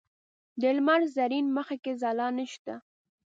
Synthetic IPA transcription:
d̪elmaɾzaɾinməxakezɑlɑnəʃt̪a

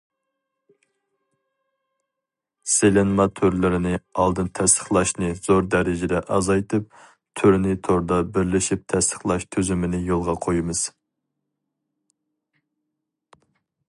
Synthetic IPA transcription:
selɪnmɑt̪ʰøɾlɪɾɪnɪɑlˠd̪ɨnt̪ʰɛst̪ʰə̥χlˠɑʃnɨz̥oɾd̪æɾɪd͡ʒɪd̪ɛʔɑzɑjt̪ɨp̚ | t̪ʰyɾnɪt̪ʰoɾd̪ɑbɪɾlɪʃip̚t̪ʰɛst̪ʰə̥χlˠɑʃt̪ʰøzymɪnɪjolˠʁɑqʰojimɨz̥

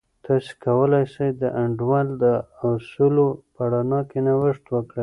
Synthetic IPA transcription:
t̪ʰɑsi̥kawəlajsajd̪əʔaɳɖwɑld̪əsulopaɽanɑkenawəʂt̪wəkɽa

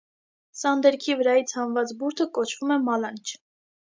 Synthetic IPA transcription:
sɑnd̪ɛɾkʰivəɾɑjit͡sʰhɑnvɑt͡sbuɾt̪ʰəkɔt͡ʃʰv̥umɛmɑlɑnt͡ʃʰ

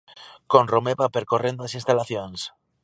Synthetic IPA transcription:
kõnromeβapeɾkorẽnd̪oasĩnst̪alaθjons

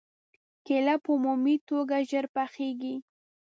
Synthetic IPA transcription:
kelapəumumit̪oɡaʒəɾpaxeɡi

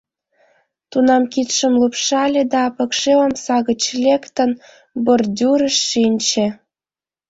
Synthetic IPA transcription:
t̪unɑmkit̪ʃə̆mlupʃɑlʲed̪ɑpɤ̆kʃeə̆msɑɣə̆t͡ɕlʲekt̪ə̆n | bordʲuɾə̆ʃːinʲt͡ɕĕ

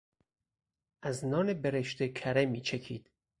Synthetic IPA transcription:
ʔæznɒːnebeɾeʃt̪ekʰæɾemiːt͡ʃʰekʰḭːd̪̥

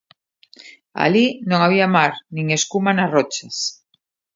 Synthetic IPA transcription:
a̰linõŋaβ̞iamaɾnĩŋeskumanarɔt͡ʃas

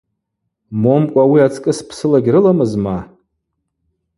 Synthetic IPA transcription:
mo̞mkʷʼawiat͡sʰkʼɨspʰsɨlaɡʲɾɨlamɨzma

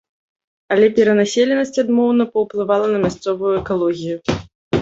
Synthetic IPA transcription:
ɐlʲɛpʲɛɾɐnasʲelʲɛnɐsʲt͡sʲad̪mɔwnɐpɐwplˠɨvalˠɐnɐmʲast̪sɔvujuɛkalˠɔɣʲiju

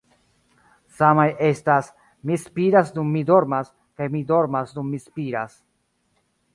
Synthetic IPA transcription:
samajʔe̞stas | mispiɾasdumːido̞ɾmas | kajmido̞ɾmasdumːispiɾas

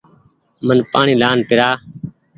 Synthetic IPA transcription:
mənpaːɳiːlaːnpɪɾaː

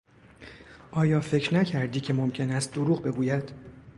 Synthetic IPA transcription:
ʔɒːjɒːfe̞cɾnæcʰæɾd̪iːcʲʰe̞momcʲʰe̞næst̪̚d̪oɾuːɣbe̞ɡuːjæd̪̥

